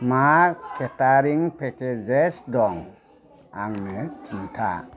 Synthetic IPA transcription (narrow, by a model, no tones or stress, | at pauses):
makʰɛtaɾiŋpʰɛkɛd͡ʒɛsdɔŋ | a̰ŋnɛkʰintʰa̰